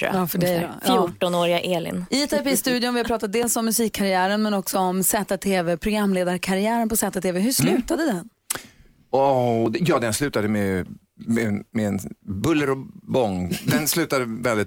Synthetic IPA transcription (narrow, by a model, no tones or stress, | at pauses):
ɑːfœɖɛfjuːʈɔnoːɾɪaʔeːlɪ̰nɪɛt̪ʰapist̪ʉ̟ːd̪jʊnvɪhapʰɾɑːt̪at̪̚d̪eːlsɔmːɵsiːkʰːaɾɪæːɾənmɛnɔksɔɔmsɛt̪ːat̪ʰːeːvɛpʰɾʊɡɾamːleːd̪aɾkʰaɾɪæːɾənpʰɔsɛːt̪ːat̪ʰːeːvɛɦɵʂlʉ̟ːt̪ad̪əd̪ɛn | ɔd̪jɑːd̪ɛnslʉ̟ːt̪ad̪əmɛ | mɛmɛɛnbɵlːəɾɔbɔŋːd̪ɛnslʉ̟ːt̪ad̪əvɛld̪ɪt̪